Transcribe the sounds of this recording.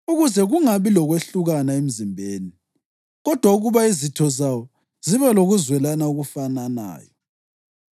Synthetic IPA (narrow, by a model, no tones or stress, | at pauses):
uɣuzɛɣuŋaβilɔɣweɬuɣanaem̩zimbʱeːni | ɣɔd̥ʱwauɣuβaizitʰɔzawɔ | z̥iβɛloɣuzwɛlanauɣufanana̰ːjɔ